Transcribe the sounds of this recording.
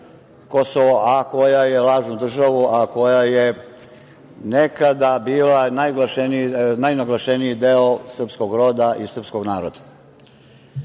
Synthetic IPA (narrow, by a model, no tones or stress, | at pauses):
kosoʋoʔako̞jajelaːʒnud̪r̩ʒaʋuako̞jaje | nekad̪abiːlanajɡlaʃeninajnaɡlaʃeniid̪eosr̩psko̞ɡɾo̞ːd̪aʔisr̩pskoɡnaːɾod̪ḁ